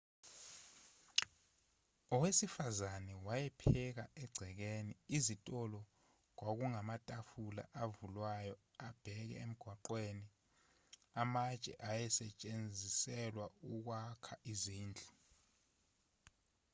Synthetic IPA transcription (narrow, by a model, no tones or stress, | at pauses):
ɔwesifazanɛwajɛpʰɛk̬aɛɡ͡ǀʱɛk̬eniizitʼɔlɔ | k̬wak̬uŋamatʼafula̰ʔavulwajɔ | ab̥ʱɛk̬ɛ̰em̩ɡ̥ʱwaǃweni | amat͡ʃʼɛ̰ʔajɛsɛt͡ʃʼend͡zʱisɛlwauk̬wakʰaʔiziːnd͡ɮʱi